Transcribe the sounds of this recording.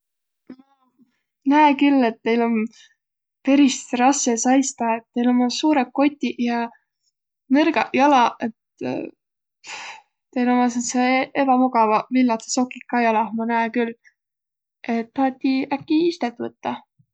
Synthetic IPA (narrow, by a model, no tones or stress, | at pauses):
mɑ | næekylːe̞t̪ːe̞jlo̞n | pe̞ɾist̪rɑsːesɑjst̪ɑet̪ːejlomːɑsuːɾekːo̞t̪ʲːˑijɑ | nerɡ̥ɑjɑlɑe̞t̪ | t̪e̞jlomɑs̬eseʔepɑmuɡ̥ɑvɑvilːɑt̪e̥sokːˑikːɑjɑlɑmɑnæekyl | ʔe̞t̪ːpɑːt̪ʲːiækˑːiist̪et̪ːˑvɤt̪ːɑ